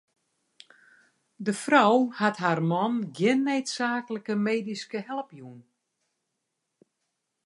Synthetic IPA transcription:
dəfrɔwhatɦarmɔnɡjɪnːeːtsaːkələkəmeːdiskəhɛlˠpjuən

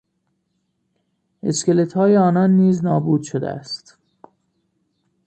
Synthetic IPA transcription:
ʔe̞skelet̪ʰhɒːjeɒːnɒnːiːznɒːbuːd̪̥ʃod̪ḛæ̰st̪

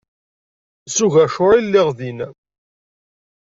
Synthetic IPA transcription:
suʝæʃʊɾilːɪʁðin

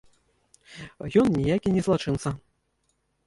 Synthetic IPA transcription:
jɔnnʲijakʲinʲɛzlˠat͡ʂɨnt̪sɐ

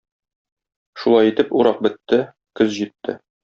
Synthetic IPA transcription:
ʃulˠɑjit̪ɘpuɾɑq̚bɘ̆t̪ːɘ | kɵzʑit̪ʰːɘ̰

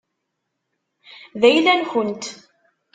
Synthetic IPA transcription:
ðæjlænçʊnt̪

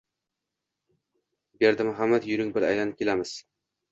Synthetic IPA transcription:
beɾd̪ɪmʊɦamːad̪jʊɾɪŋbɪɾa̰jlanɪkʲʰelamɪz̥

